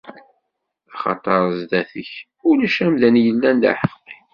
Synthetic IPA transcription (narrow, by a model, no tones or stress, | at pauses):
ɑχɑ̰t̪ˤəɾˤzd̪æθəç | ʊlæʃæmðænjəlːænd̪a̰ħəfqi